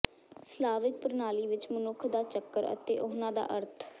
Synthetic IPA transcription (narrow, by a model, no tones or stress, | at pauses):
slaːʋɪk̚pəɾnaːliːʋɪt͡ʃmənʊkʰd̪aːt͡ʃəkːəɾə̰t̪eːʔʊɦnãːd̪a̰ːʔəɾt̪ʰ